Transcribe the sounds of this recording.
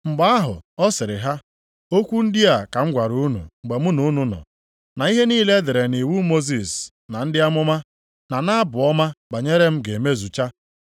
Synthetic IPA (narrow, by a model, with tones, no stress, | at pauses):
ŋ͡m̩˨ɡ͡ba˦a˦ɦʊ̰˨ɔ˦sɪ˨ɾɪ˨ɦa˦ | o˦kʷu˦n̩˦dɪ˦a˨ka˨ŋ͡m̩˦ɡʷa˨ɾu˨u˦nṵ˨ŋ͡m̩˨ɡ͡be˨mʊ˦nu˨˦nu˦nɔ̰˨ | na˨˦i˦ɦe˦niː˦le˦de˨ɾe˨ni˨wu˦mo˦zi˨s | na˨n̩˦dɪ˦a˦mʊ˦ma˦ | na˨na˦bʊ˨ɔ˦ma˦ba˨ɲe˦ɾe˦m̩˦ɡe˨me˦zu˨t͡ʃa˦